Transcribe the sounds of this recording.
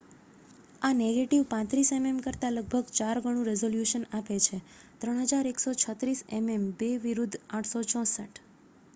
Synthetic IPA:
aneɡeʈiʋpãt̪ɾisememkəɾt̪aləɡ̚bʱəɡt͡ʃaɾɡʱəɽ̃ũɾɛzoljuʃənapet͡ʃʰe | t̪ɾəɳ̃ɦəd͡ʒaɾeksot͡ʃʰət̪ɾisɛmembeʋiɾud̪ʱaʈʰsot͡ʃɔ̃səʈ

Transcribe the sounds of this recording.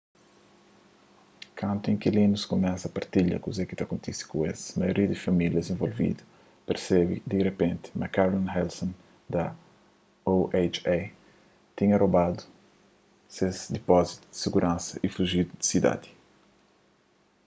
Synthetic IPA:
kʰɐ̃nt̪uẽŋkilĩnuskomɛsɐpɐɾt̪iʎɐ̰kuzɛkit̪ɐkõnt̪isi̥kũez̥mɐjoɾiɐd̪ifɐmiljɐzẽɱvolvḭd̪ɐ | peɾsɛbḭd̪irepẽnt̪i̥mɐkaɾlãnhɛlsõn | d̪ɐ | oʔet͡ʃe | t̪ĩɲɐrobad̪u | sezd̪ipɔzit̪ud̪i̥siɡuɾʔãnsɐʔifuʒid̪ud̪i̥sid̪a̰d̪i̥

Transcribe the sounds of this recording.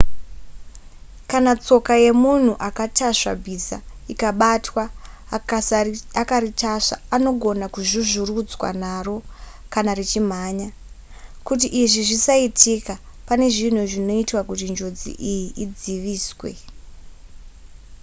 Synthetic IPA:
kanat͡so̞kaje̞mun̤uʔakataʂa̰bʱisa̰ikaɓatwa | akaritʰaʂaːno̞ɡʱo̞nakuʐuʐurud͡zwa̰naro̞kanarit͡ʃim̤aːɲa | kut̬iʔiʐiʐisaitʰika | pane̞ʐin̤uʐino̞itwakutind͡ʒo̞d͡zḭʔijiʔid͡ziʋiːswe̞̰

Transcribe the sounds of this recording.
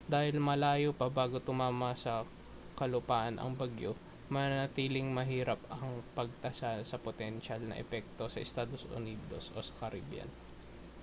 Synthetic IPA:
d̪aːhɪlmɐlaːjopɐbaːɡot̪ʊmaːmɐsɐ | kɐlʊpaːʔɐnʔɐ̰ŋbɐɡjo | mɐnɐt̪iːlɪŋmɐɦiːɾɐpɐŋpɐɡ̚t̪ɐsalsɐpot̪ɛnʃalnɐ̰ʔɛ̰pɛk̚t̪o̞sɐʔɪst̪aːd̪o̞sʔʊ̰niːd̪o̞̰sʔo̞̰ːsɐ̥kɐɾʔibja̰n

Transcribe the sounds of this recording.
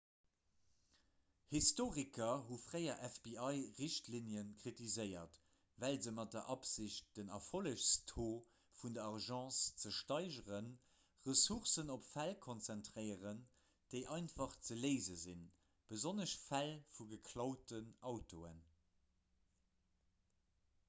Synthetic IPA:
histoːʁikʰɐɦufʁəɪɐʔæfbiɑɪʁiɕtlinjənkʁitizəɪɐt | vælzəmɑt̚dɐʔɑpz̥iɕt̚d̥ənɑfoləʃstʰoː | fundɐɑʁʒɑ̃ːst͡səʃtɑɪʒəʁən | ʁəsuʁsənopfælkʰont͡sɛntʁəɪəʁən | d̥əɪʔɑɪntfɑχt͡səleɪzəzin | b̥əzonəʃfælfuɡəkʰlɑʊtənɑʊtoːən

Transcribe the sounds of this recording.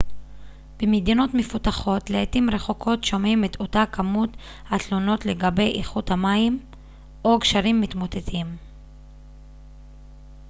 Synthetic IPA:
b̥emedino̞tmefutaχo̞tleetimɾe̞χo̞kʰo̞tʃo̞mimeto̞takʰamut | hat̪lo̞no̞tle̞ɡabe̞jʔiχuthamaim | ʔo̞kʃaɾimːitmot̪et̪ʰim

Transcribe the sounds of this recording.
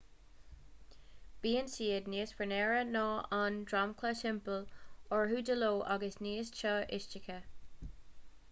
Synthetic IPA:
b̥iːənsiːədniːspɹənɛːɹənɔːandɹamkʰləsɪmpəlɔɹɦuːdəloːʔaɡəsniːəst͡ʃʰɔʔɪʃt͡ʃɪkʰə

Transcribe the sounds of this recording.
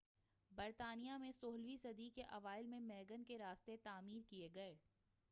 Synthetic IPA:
bɐɾt̪aːnijamẽsoːɦlʋisɐd̪ikeʔɐʋaːɪlmẽmɛːɡənkeɾaːst̪et̪aːmiːɾkieɡɐeː

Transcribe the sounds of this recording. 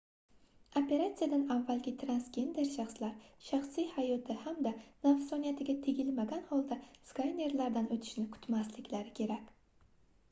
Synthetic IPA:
ope̞ɾat̪sɨjad̪anavːalɡʲɪt̪ʰɾansɡʲe̞nd̪e̞ɾʃaχslaɾʃaχsijhajɒt̪ʰɪhamd̪anafsɒnijat̪ʰɪɡʲat̪ʰe̞ɡʲɪlmaɡʲanhɒlˠd̪askajne̞ɾlaɾd̪anot̪ʰɪ̥ʃnɪkʰʊ̥t̪maslɪkʲlaɾɪkʲʰe̞ɾakʲ

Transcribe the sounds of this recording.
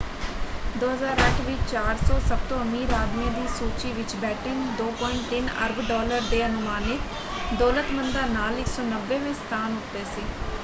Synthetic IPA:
d̪oːɦəzaːɾəʈʰʋɪt͡ʃt͡ʃaːɾsɔːsəb̚t̪õːəmiːɾaːd̪mid̪iːsuːt͡ʃiːʋɪt͡ʃbɛːʈʰend̪oːpɔɪɳt̪ɪnə̰ɾbʱɖɔːləɾd̪eːənʊmaːnɪt̪ | d̪ɔːlət̪mənd̪aːnaːlɪksɔːnəʋːẽːmẽːst̪ʰaːnɦʊkt̪eːsiː

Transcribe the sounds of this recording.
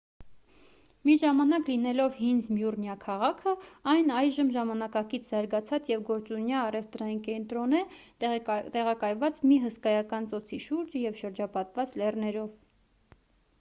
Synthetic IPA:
miʒɑmɑnɑklinɛlɔvɦinzmjurnjɑkʰɑʁɑkʰəɑjnɑjʒəmʒɑmɑnɑkɑkit͡sʰzɑɾɡɑt͡sʰɑt͡sjɛvɡɔɾt͡sunjɑːrɛvt̪ɾɑjinkɛnt̪ɾɔnɛ | t̪ɛʁɑkɑjvɑt͡smiɦəskɑjɑkɑnt͡sɔt͡sʰiʃuɾd͡ʒjɛvʃəɾd͡ʒɑpɑt̪vɑt͡slɛrnɛɾɔv

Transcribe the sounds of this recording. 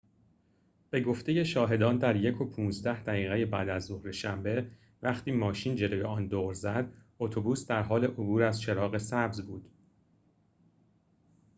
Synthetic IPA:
b̥e̞ɡo̞ft̪ʰe̞je̞ʃɒːɦe̞d̪ɒːnd̪æɾje̞kʰo̞pʰuːnzd̪æhd̪æɣiːɣeje̞bæ̰ːd̪æzːohɾe̞ʃæmbe̞ | væχt̪ʰiːmɒːʃiːnd͡ʒe̞loːjeɒːnd̪oːɾzæd̪ | ot̪ʰobuːsd̪æɾɦɒːle̞ʔobuːɾæzʃe̞ɾɒːɣe̞sæbzbuːd̪̥

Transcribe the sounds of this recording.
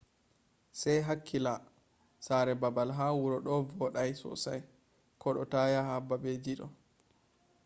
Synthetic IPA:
sajɦakʰːila | saɾɛbabalɦaːwuɾɔɗɔvɔɗajsɔ̰saj | kʰɔɗɔ̰tajaɦabːabed͡ʒiɗɔ̰

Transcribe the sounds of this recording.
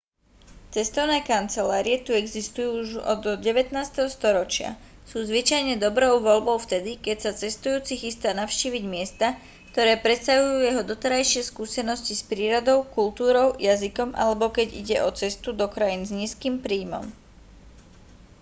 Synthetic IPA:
t͡sɛst̪ɔʊnɛːkant͡sɛlaːɾiɛt̪uɛɡzist̪ujuːuʒɔ̰d̪ɟɛʋɛt̪naːst̪ɛɦɔst̪ɔɾɔt͡ʃɪa̰ | suːzʋit͡ʃajɲɛd̪ɔbɾɔʊʋɔlbɔʊft̪ɛd̪ikɛcsat͡sɛst̪ujuːt͡sixist̪aːnaʊʃciːʋiɟmɪɛst̪a | kt̪ɔɾɛːpɾɛt̪st̪aɦujuːjɛɦɔd̪ɔt̪ɛɾajʃɪɛskuːsɛnɔscispɾiːɾɔd̪ɔʊkult̪uːɾɔʊjazikɔmʔa̰lɛbɔkɛɟḭɟɛʔɔt͡sɛst̪ud̪ɔkɾajinzɲiːskiːmpɾiːmɔ̰m

